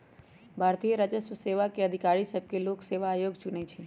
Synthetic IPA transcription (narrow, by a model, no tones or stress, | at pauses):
bʱaɾt̪ijəɾad͡ʒəsʋəseʋakeəd̪ʱikaɭisəb̚kelokseʋaːjoɡd͡ʒunɛt͡ʃʰe